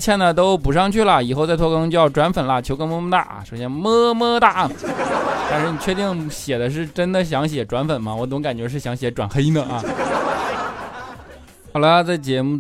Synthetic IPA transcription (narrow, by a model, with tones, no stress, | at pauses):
t͡ɕʰjɛ˥˩nə˩t̪̬o˥ʊpu˨˩ʂɑ˥˧ŋt͡ɕʰy˥˩lə˩i˨˩xo˥˧ʊt͡sa˥˧ɪt̪ʰwɔ˥˧kt͡ɕo˥˧jʈ͡ʂwa˧˥nfə˨˩nlə˦t͡ɕʰo˧˥ʊkə˥ŋmɤ˥˧mə˥t̪a̰˥˩ʂo˨˧˩ɕjɛ˥nmɤ˥mɤ˥t̪a˥˩ | t̪a˥˧nʂɻ̩˥˩ni˨˩t͡ɕʰɥɛ˥˧t̪i˥˩ŋɕjɛ˨˩d̪ə˦ʂ̬ɻ̩˥˩ʈ͡ʂə˥nd̪ə˨ɕ̬jɑ˧˥ŋɕjɛ˨˩ʈ͡ʂwa˧˥nfə˨˩nmɐ˦wɔ˧˥t͡s̪ʊ˧˥ŋka˨˩nt͡ɕɥɛ˧˥ʂ̬ɻ̩˥˩ɕjɑ˧˥ŋɕjɛ˧˥ʈ͡ʂwa˨˩nxe˥ɪd̪ə˧ʔɐ˥˧ | xɑ˨˩ʊlə˦t͡sa˥˩ɪt͡ɕjɛ˧˥mu˥˩